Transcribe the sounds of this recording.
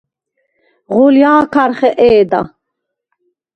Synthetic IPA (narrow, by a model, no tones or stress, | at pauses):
ʁuljaːkʰaɾχɛʔɛːd̪a̰